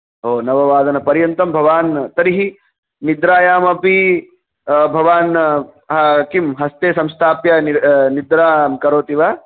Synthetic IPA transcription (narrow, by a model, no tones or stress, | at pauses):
ɦoːnɐʋɐʋaːd̪ɐnɐpɐɾjɐnt̪ɐmbʱɐʋaːnt̪ɐɾiɦi | nid̪ɾaːjaːmɐpi | bʱɐʋaːn | ɦɐkimɦɐst̪eːsɐmst̪ʰaːpjɐinid̪ɾaːmkɐɾoːt̪iʋaː